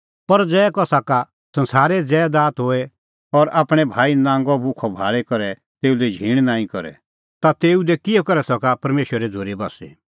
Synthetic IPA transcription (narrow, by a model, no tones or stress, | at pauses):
pɐɾd͡zɛːkɔsaka | sɐ̃nsaːɾɛd͡zɛːd̪aːt̪ɦoːɛ | ɔɾaːpɽ̃ɛbʱaːinãːŋɡɔbʱʊkʰɔbʱaːɭɛkɐɾɛ | t̪eːud̪ɛd͡ʒʱĩːɽ̃nãːĩkɔɾɛ̰ | t̪at̪eːud̪ɛkɪjɔkɐɾɛsɐkapɐɾmeːʃwɾɾɛd͡zʱoːɾebɐsɛ̰